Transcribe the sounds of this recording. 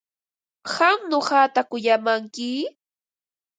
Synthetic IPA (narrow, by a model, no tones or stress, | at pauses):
hɑmɲoɢɑːt̪akʊjamaŋkɪ